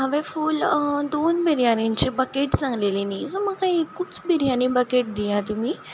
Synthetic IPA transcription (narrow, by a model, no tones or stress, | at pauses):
ɦəʋefuld̪onbʱiɾijaniɲt͡ɕebəkeʈt͡sãŋɡlelinisoməkaĩekːut͡sbʱiɾjanĩbəkeʈ̚d̪ijat̪um̤iː